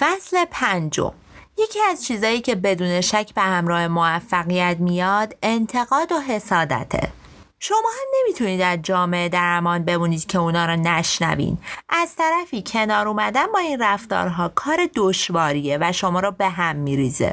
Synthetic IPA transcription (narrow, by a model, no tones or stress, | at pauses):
fæsle̞pʰænd͡ʒo̞̰m | je̞cʰiːæzt͡ʃʰiːzɒːjiːcʰe̞be̞d̪uːne̞ʃæcʰbe̞hæmɾɒːhe̞movæfːæɣijæt̪mijɒd̪e̞nt̪ʰe̞ɣɒːd̪oɦe̞sɒːd̪æ̰t̪ʰḛ | ʃo̞mɒːhæmne̞mit̪ʰuniːd̪æɾd͡ʒɒːme̞ed̪æɾmɒːnbe̞muːniːd̪̥cʰe̞unɒːɾɔnæʃnæ̰vḭːnʔæz̥t̪ʰæɾæfiːcʰe̞nɒːɾuːmæd̪ænbɒːinræft̪ɒ̰ːɾɦɒːkʰɒːɾed̪oʃvɒːɾiːevæʃo̞mɒːɾɔbe̞ɦæmːiːɾiːzḛ